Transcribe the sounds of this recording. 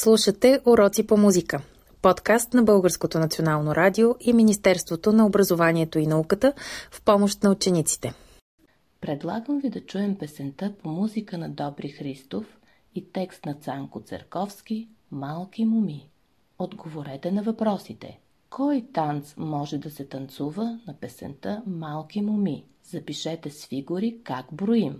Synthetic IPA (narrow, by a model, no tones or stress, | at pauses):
slˠuʃət̪ɛʔoɾɔt̪sipomuzikə | pɔt̪kast̪nɐbɤlˠɡəɾskot̪onɐt̪sionalˠnoɾʔad̪ioʔiminist̪ɛɾst̪vot̪onɐobɾɐzovanʲiɛt̪oinɐukət̪əfpɔmoʃt̪nɐut͡ʃɛnit̪si̥t̪ɛ | pɾɛd̪lˠa̰ɡəmvid̪ɐt͡ʃuɛmpɛsɛnt̪əpomuzikənɐd̪ɔbɾixɾist̪of | it̪ɛkst̪nɐt̪saŋkʊt̪sə̰ɾkɔfsk̟imalˠkimʊmi | od̪ɡovoɾɛt̪ɛnɐvɐpɾɔsit̪ɛ̰ | kʰɔjt̪ant̪smɔʒɛd̪ɐsɛt̪ɐnt̪suvənɐpɛsɛ̰nt̪əmalˠkimʊmi | z̥ɐpiʃɛt̪ɛsfiɡʊɾikaɡbɾoim